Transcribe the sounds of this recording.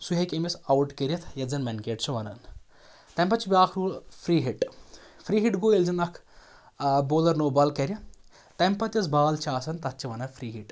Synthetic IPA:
suɦɐkʲemɐsawʈkeɾjɐt̪ʰjɐd͡zɐnmɛnkeːʈt͡ʃʰuʋɐnɐ̰n | t̪ɐmpɐt̪t͡ʃʰibʲaːkʰɾulfɾiːɦiʈfɾiːɦiʈɡoːelzɐnɐkʰ | boːlɐɾnoːbɐlkɐɾʲjɐ | t̪ɐmpɐt̪ʲjɐt͡sbaːlt͡ʃʰaːsɐnt̪ɐt̪̚t͡ʃiʋɐnɐfʰɾiːɦiʈ

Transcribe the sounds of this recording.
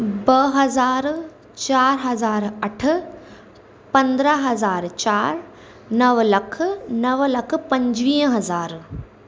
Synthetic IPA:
bɐɦɐzaːɾ | t͡ʃaːɾɦɐzaːɾɐʈʰ | pɐ̃nd̪ɾaɦɐzaːɾt͡ʃaːɾ | nɐʋlɐkʰnɐʋlɐkʰpɐ̃ɲd͡ʒʋiːə̃ɦɐzaːɾ

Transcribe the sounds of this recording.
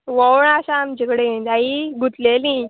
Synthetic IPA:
ʋəwɳaɕaːmd͡ʑekɽeed̪aiɡut̪lelĩ

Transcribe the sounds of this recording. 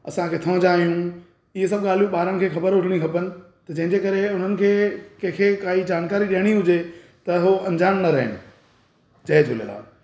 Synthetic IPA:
ɐsãkʰeːt̪ʰɐə̃d͡ʑaːɦijũ | ɪɦes̬ɐbɠaːl̤ijũɓaːɾənɪ̆kʰeːxɐbəɾɦʊʈʰɪɽ̃ikʰɐpənɪ̆ | t̪ɐd͡ʑɐ̃ɦɪ̃ɲd͡ʑekɐɾeʊn̤ənɪ̆kʰeːkɐ̃kʰekaːɦid͡ʑaːnkaːɾiɗiɦəɽ̃iɦʊd͡ʑe | t̪ɐɦoɐ̃ɲd͡ʑaːmnɐɾɐɦɪ̰nɪ̆ | t͡ɕɐɦed͡ʑʰʱʊlḛla̰ː

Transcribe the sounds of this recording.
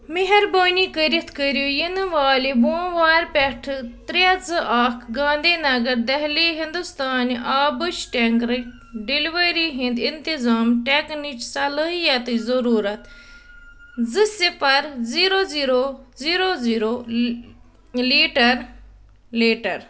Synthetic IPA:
miɦɐɾboːniːkəɾit̪kəɾjoːjinɨʋaːlibõːʋaːɾpʲɛʈʰt̪ɾazɨʔaːkʰɡãːnd̪iːnɐɡɐɾd̪ɐɦliːɦĩnd̪ust̪aːnʔaːbɨt͡ʃʈeŋkɾɨ | ɖeliʋəɾiːɦĩnd̪int̪izaːmʈeknit͡ʃsɐləɦijɐt̪ɨzɐɾuːɾɐt̪ | zɨsifɐɾziːɾoːziːɾoziːɾoːziːɾoː | liːʈɐɾ | liːʈɐɾ

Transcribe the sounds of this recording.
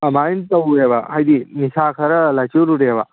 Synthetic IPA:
ɐmaːjint̪ɐueːʋa̰ɦɐjd̪inisaːkʰɐɾɐlɐt͡ʃuɾuɽeːʋa̰

